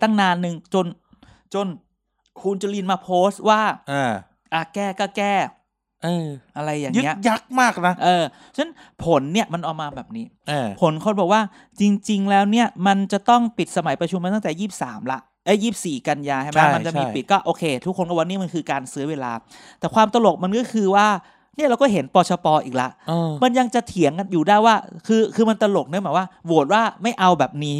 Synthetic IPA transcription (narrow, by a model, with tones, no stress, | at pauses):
t̪a˥˩ŋnaː˧nːɯ˧ŋt͡ɕo˧n | t͡ɕo˧n | kʰu˧nt͡ɕu˧li˧nmaː˧pʰoː˦˥st̪̚waː˥˩ʔa˧˩ | ʔaː˧˩kɛː˥˩kɔː˥˩kɛː˥˩ | ʔɤː˧ʔa˧ɾa˧jːaː˨˩ŋɯː˦i˦˥ɐʔja˦˥k̚maː˥˩k̚na˦˥ʔɤː˧ | t͡ɕʰa˥˩n | pʰo˩˦nːi˥˩ɐəma˧nʔɔː˨˩maː˧bɛː˨˩p̚niː˦˥ | a˧pʰo˩˦nkʰo˧nbɔː˨˩k̚waː˥˩ | t͡ɕi˧ŋt͡ɕi˧ŋlɛː˦˥wni˥˩ɐma˧nt͡ɕa˨˩t̪ɔ˥˩ŋpi˨˩t̪̚sa˧ma˨˩˦jpɾa˧t͡ɕʰu˧mːa˧t̪t̪ɛː˨˩jiː˥˩p̚sa̰ː˩˦mla˦˥ʔ | ʔɤ˦˥˩jiː˥˩p̚siː˨˩ka˧njaː˧kʰa˥˩˨ma˦˥ma˧nt͡ɕa˨˩miː˧pi˨˩t̪̚kɔː˥˩ʔoː˧kʰeː˧t̪ʰu˥kʰːo˧nkɔː˥˩wa˧niː˦˥˩ma˧nkʰɯː˧kaː˧nsɯː˦˥ɐweː˧la̰ː˧ | t̪ɛː˨˩kʰwaː˧mt̪a˧lo˨˩k̚ma˧nkɔː˥˩kʰɯː˧waː˥˩ | ni˥˩ɐɾa˧wkɔː˥˩ɦe˩˦npɔː˧t͡ɕʰɔ˧pɔː˧ʔḭː˨˩k̚la̰˦˥ʔma˧nja˧ŋt͡ɕa˨˩t̪ʰi˨˩˦əŋka˧njuː˨˩daː˥˩jwaː˥˩kʰɯː˧kʰɯː˧ma˧nt̪a˧lo˨˩k̚nɯ˦˥˩bɛː˨˩waː˥˩bu˨˩ət̪̚waː˥˩ma˥˩jʔa˧wbɛː˨˩p̚niː˦˥